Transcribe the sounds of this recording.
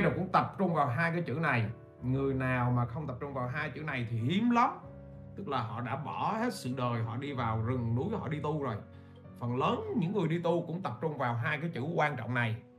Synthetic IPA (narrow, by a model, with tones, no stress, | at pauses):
jo˨˩kʊ̰˧˥ŋ͡mt̪ə˨˩p̚t͡ɕʊ˧ŋ͡mvaː˨˩wɦaː˧jkaː˨˦jt͡ɕɨ̰˧˥na˨˩j | ŋɨ˨˩əjnaː˨˩wmaː˨˩xə˧wŋ͡mt̪ə˨˩p̚t͡ɕʊ˧ŋ͡mvaː˨˩wɦaː˧jt͡ɕɨ̰˧˥na˨˩jt̪ʰi˨˩ʔi˨˦mlə˨˦ | t̪ɨ˦˥k̚laː˨˩ɦɔ̰˧˨ɗa̰ː˧˥ɓɔ˧˩he˦˥t̚sɨ̰˧˨ɗəː˨˩jɦɔ̰˧˨ɗi˧vaː˨˩wzɨ˨˩ŋnu˨˦jhɔ̰˧˨ɗi˧t̪u˧zo˨˩j | fə˨˩nləː˨˦nɲɨ̰˧˥ŋːɨ˨˩əjɗi˧t̪u˧kʊ̰˧˥ŋ͡mt̪ə˨˩p̚t͡ɕʊ˧ŋ͡mvaː˨˩wɦaː˧jkaː˨˦jt͡ɕɨ̰˧˩kwaː˧nt͡ɕɔ̰˧˨wŋ͡mna˨˩j